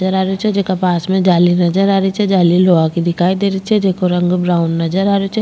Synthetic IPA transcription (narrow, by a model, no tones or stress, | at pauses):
əɾaːɾot͡ʃʰɛd͡ʒekapaːsmẽd͡ʒaːlinɐd͡ʒəɾaːɾit͡ʃʰɛd͡ʒaːliloːakid̪ɪkʰaːid̪eːɾit͡ʃʰɛd͡ʒeːkoɾə̃ŋɡbɾaːʊnːɐd͡ʒəɾaːɾot͡ʃʰɛ